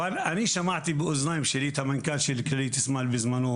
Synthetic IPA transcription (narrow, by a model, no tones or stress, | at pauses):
anʔaniʃamaʕt̪ibiʔʊznajmʃɪliːt̪amɪnkaːnʃilklɾiːt̪ɪsmalbɪzmanuː